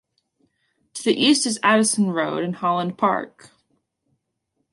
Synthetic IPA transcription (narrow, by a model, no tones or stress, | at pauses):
tʰɨðiʔistɨzæɾɨsn̩ɹoʊɾɨ̃nhɑlˠə̃npʰɑ̰ɹk